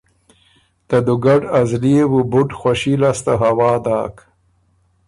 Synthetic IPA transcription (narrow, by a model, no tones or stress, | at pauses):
t̪ɐd̪uɡaɖɐzliewubuʈxʷwaʃilast̪aɦawɑːd̪aːk